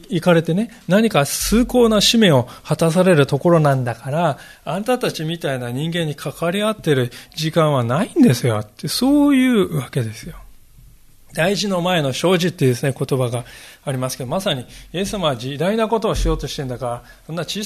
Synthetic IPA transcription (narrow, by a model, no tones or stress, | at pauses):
ikaɾe̞t̪e̞ne̞ | naɲ̟ikasɨːko̞ːnaɕimẽ̞ɰ̃o̞hat̪as̬aɾe̞ɾɯ̟t̪o̞ko̞ɾo̞nãnd̪akaɾãː | nt̪at̪at͡ɕimʲit̪ainaɲ̟ĩŋɡẽ̞ɲ̟ːikʰakaɾʲiat̪ːe̞ɾɯ̟d͡ʑikãɰ̃βanaĩnd̪e̞sɨjo̞̰t̪ːeso̞ːjɯ̟ːβake̞d̪e̞sɨjo̞ | d̪aiʑino̞mae̞no̞ɕo̞ːʑit̪ːeiɯ̟d̪e̞sɨne̞ko̞t̪o̞baɡaaɾʲimasɨ̥ke̞d̪o̞masaɲ̟ije̞sːamaβad͡ʑid̪ainako̞t̪o̞ːɕijo̞ːt̪o̞ɕi̥t̪ẽ̞nd̪akaɾa | sõ̞nːat͡ɕi